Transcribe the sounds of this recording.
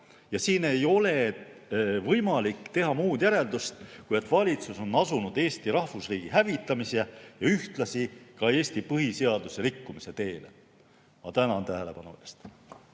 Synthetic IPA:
jɑsiːne̞jo̞le̞ | vɤjmɑlikːˑt̪e̞ɦɑmuːd̪̥jæɾe̞ld̪ust̪kujet̪ːˑvɑlʲit̪suso̞nːɑsunud̪̥e̞ːst̪iɾɑhfusriːɡ̥iɦævit̪ˑːɑmisejɑyht̪lɑsikɑe̞ːst̪ipɤɦise̞ɑd̪useɾikːumise̞t̪e̞ːlḛ | ɑt̪ænɑnt̪æɦele̞pɑnṵest̪

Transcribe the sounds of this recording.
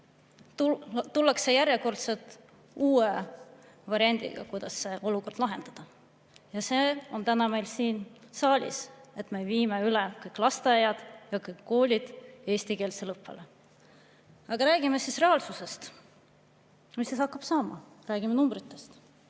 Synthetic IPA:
t̪ut̪ulːɑksejæɾjeko̞rt̪se̞lt̪ | uːe | vɑɾiɑnʲd̪̥ḭɡ̥ɑ̰kujd̪̥ɑsːe̞ʔo̞luko̞rd̥̪lɑɦe̞nd̪̥ɑd̪̥ɑ | jɑse̞ːo̞nt̪ænɑme̞jlsiːnsɑːlʲḭse̞t̪ːˑme̞viːmeylekɤjkːlɑst̪ejɑd̪̥jɑkɤjkːo̞ːlʲid̪̥e̞ːst̪ike̞ːlselɤpːḛle | ɑɡ̥ɑɾæːɡ̥imesisre̞ɑlsuse̞st̪ | mist̪eshɑkːɑb̥sɑːmɑ̰ | ræːɡ̥imenumbɾit̪ːˑe̞st̪

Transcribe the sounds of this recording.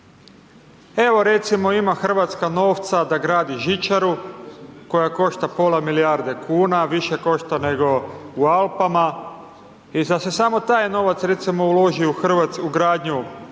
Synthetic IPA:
e̞ʋo̞ɾe̞t̪simo̞imaxr̩ʋat̪skano̞ːʋt̪sad̪aɡɾaːd̪iʒit͡ʃaɾu | ko̞jako̞ʃt̪apo̞lamilijaɾd̪e̞kʰuːnaʋiʃe̞ko̞ʃt̪ane̞ɡo̞ualˠpama | izase̞samo̞t̪aːjno̞ʋat̪sɾe̞t̪simo̞ulo̞ʒiuxr̩ʋat̪suɡɾaːd̪ɲu

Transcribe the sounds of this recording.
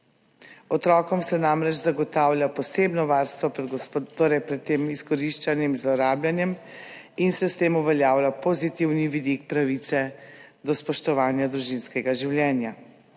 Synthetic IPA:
ɔt̪ɾɔːkɔmsɛnamɾɛt͡ʃzaɡɔt̪aːwljapɔseːbnɔʋaːɾst̪ʋɔpɾɛd̪t̪oːɾɛjpɾɛt̪ːeːmiskɔɾiʃt͡ʃanjɛmzlɔɾaːbljanjɛm | insɛst̪eːmuʋɛljaːwlʲapozit̪iwniʋid̪ikpɾaʋit̪sɛd̪ɔspɔʃt̪ɔʋaːnjad̪ɾuʒinskɛɡaʒiwljɛːnja

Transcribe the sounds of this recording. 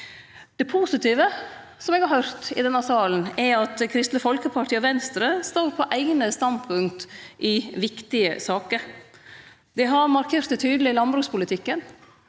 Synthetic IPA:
d̪̥ɛpʰuːsɪt̪ʰiːʋə | sɔmɛɡhɑɾhœɾt̪ɪ̰d̪ɛnːɑsɑːln̩ɛɾɑt̪kʰɾɪst̪əfɔlkəpʰɑʈʰiːɔʋɛnst̪ɾəst̪oːɾpʰɔʔæɪɡnəst̪ɑnd̪pʰʉŋk̚t̪ʔɪʋɪkt̪ɪə̰sɑːkəɾ | d̪ɛɦɑɾmɑɾkʰeːɾt̪sɛɪt̪ʰyːd̪lɪlɑnbɾʉːkspʊlɪt̪ʰɪkːən

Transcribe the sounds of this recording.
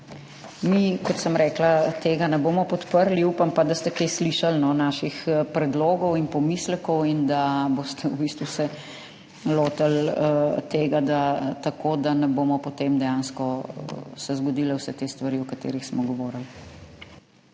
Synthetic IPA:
mikɔt̪səmɾɛːklat̪eːɡanɛboːmɔpɔt̪pəɾliupampad̪ast̪ɛkesliːʃalnɔnaːʃixpɾɛd̪loːɡɔwinpɔmiːslɛkɔwind̪abost̪ɛubist̪ʋusɛ | loːt̪alt̪eːɡad̪at̪akod̪anɛboːmɔpɔt̪emd̪ɛjaːnskɔ | sɛzɡɔd̪ilɛwsɛt̪eːst̪ʋaɾiɔkat̪ḛːɾixsmɔɡɔʋɔːɾəl

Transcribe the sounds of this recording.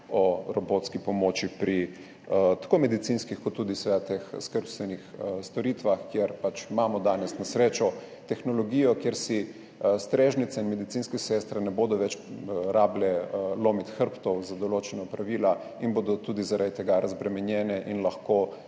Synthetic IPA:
ɔɾɔboːt̪skipɔmoːt͡ʃipɾi | t̪ḁkoːmɛd̪it̪sinskixkoɔt̪ːuːd̪isɛat̪exskəɾpst̪ʋɛnixst̪ɔɾiːt̪ʋaxkjeɾpat͡ʃmaːmɔd̪aːnɛsnasɾeːt͡ʃɔ | t̪ɛxnɔlɔɡiːjɔkjeɾsi | st̪ɾeːʒnit̪sɛinmɛd̪it̪inskɛsɛst̪ɾɛnɛboːd̪ɔʋɛt͡ʃɾaːblɛloːmit̪xəɾpt̪ɔwzad̪ɔloːt͡ʃɛnapɾaʋiːla | inboːd̪ɔt̪uːd̪izaɾad̪it̪ɛɡaɾʔazbɾɛmɛnjɛːnɛʔinlaxko

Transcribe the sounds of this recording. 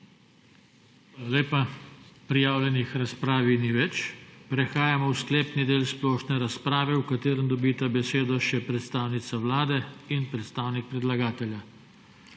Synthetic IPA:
ʋalaleːpapɾijaːwlʲjɛnixɾaspɾaːʋiniʋɛt͡ʃpɾɛxaːjamɔwsklɛːpnid̪eːlsplɔʃnɛɾaspɾaːʋɛwkat̪eːɾənd̪ɔbiːt̪abɛseːd̪ɔʃɛpɾɛt̪st̪aːwnit̪saʋlaːd̪ɛinpɾɛt̪st̪aːwnik̚pɾɛd̪laɡaːt̪ɛlja

